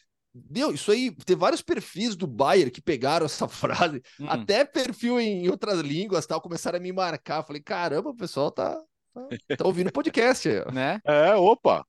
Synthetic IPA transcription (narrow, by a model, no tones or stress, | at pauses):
mewisʊait̪ẽvaɾjʊspeɾfizd̪ʊbajeɾkɪ̥peɡaɾɐ̃w̃ɛsɐfɾa̰zɪ | a̰t̪ɛpeɾfiwẽj̃owt̪ɾɐzlĩɡwɐst̪awkomesaɾ̃ɐmɪmaɾkafalejkaɾɐ̃bɐʊpesawt̪a̰ | t̪at̪aowvĩʊpod͡ʒikɛst͡ʃɪḭɔ̰nɛɛopɐ̰